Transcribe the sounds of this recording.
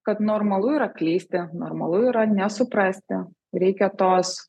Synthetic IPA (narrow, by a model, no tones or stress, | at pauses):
kɐt̪nɔɾmɐlˠʊjiɾɐklʲiːsʲt̪ʲɪnɔ̰ɾmɐlˠʊiːɾɐnʲɛsʊpɾɑsʲt̪ʲɪ | ɾʲɛɪkʲɛt̪oːs